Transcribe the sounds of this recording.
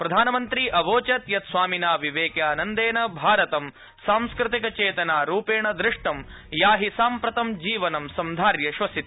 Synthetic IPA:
pɾɐd̪ʱaːnɐmɐnt̪ɾiʔɐʋoːt͡ʃɐt̪jɐt̪sʋaːminaːʋiʋeːkjaːnɐnd̪eːnɐbʱaːɾɐt̪ɐm | saːmskɾɪt̪ikɐt͡ʃeːt̪ɐnaːɾuːpeːɳɐd̪ɾɪʂʈɐm | jaːɦisaːmpɾɐt̪ɐmd͡ʒiːʋɐnɐmsɐmd̪ʱaːɾjɐʃʋɐsit̪

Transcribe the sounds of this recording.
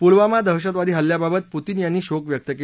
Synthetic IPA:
pulʋamad̪ʱəɦɕət̪ʋad̪ʱiːɦəljababət̪̚put̪iːnjanːiːɕokʋjək̚t̪əki

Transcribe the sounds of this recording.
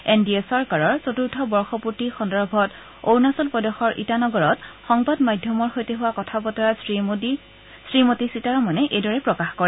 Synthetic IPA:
endiesɔɹkaɹɔɹt͡sotuɹtʰɔbɔɹxɔputixɔndɔɹbʱɔt | ownasɔlpɔdɔxɔɹʔḭtanɔɡɔɹɔtxɔŋbadmajdʱjɔmɔɹxojteɦʊwakɔtʰapɔtɔɹai | sɹimotisitaɹɔmanɛʔejdɔɹɛpɹɔkaxkɔɹɛ

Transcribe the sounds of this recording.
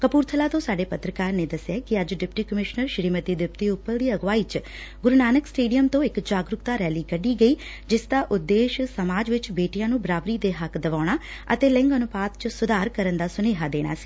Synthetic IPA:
kəpuːɾt̪ʰəlaːt̪õːsaːɖeːpət̪ɾəkaːɾneːd̪əsːjaːkɪəd͡ʒɖɪpʈiːkəmɪʃnəɾʃɾiːmət̪iːd̪ɪpt̪iːʊpːəɾd̪iːəɡʋaːiːt͡ʃ | ɡʊɾnaːnəksʈeːɖijəmt̪õːɪkd͡ʒaːɡɾʊkt̪aːɾɛːliːkəɖiːɡəiː | d͡ʒɪsd̪aːʔʊd̪ːeːʃsəmaːd͡ʒʋɪt͡ʃbeːʈijãːnũːbəɾaːbɾiːd̪eːɦəkd̪əʋaːɽ̃aː | ət̪eːlɪ̃ŋɡənʊpaːd̪t͡ʃsʊd̪aːɾkəɾənd̪aːsʊneːɦaːd̪eːɽ̃a̰ːsi̥ː

